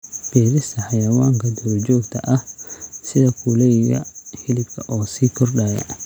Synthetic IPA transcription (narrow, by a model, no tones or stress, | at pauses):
b̥ɛːɾɪst̪ʰɐħɑjɐwaːŋkʰɐd̪ɔɾd͡ʒɔːɡt̪ʰɐʔɐhsɪðɐkʰulɛjjɐ̰ħɪlɪbkʰɐʔɔːsiːkʰʊrɖaːjɐ̰